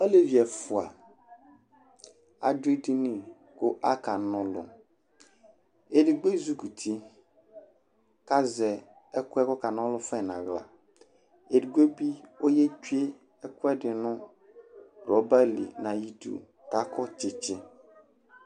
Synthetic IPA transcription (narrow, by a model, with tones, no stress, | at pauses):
ɔ˦le˨vi˨ɛ˨fʊ˨a̰˨ | a̰˨de˦di˦nĩ˨ | kʊ˦ʔa˦ka˨nʊ̃˦lʊ̰˨ | e˨dɪ˨ɡ͡be˦zu˦ku˨tʰi˦ | ka˦zɛ˨ | ɛ˦kʊ˦ɛ˦kɔ˦ka˨nʊ̃˦lʊ˦fɛ˦˨nã˨ɣla̰˨ | e˨di˨ɡʷe˦bi˦o˦je˦d͡ʒu˦e˦ | ɛ˦kʊ˦ɛ˦dɪ˨nʊ̃˦ | ɾɔ˨˦ba˦lḭ˨nã˨ji˨dṵ˨ | ka˦kʰɔ˦t͡ʃɪ˨t͡ʃɪ˦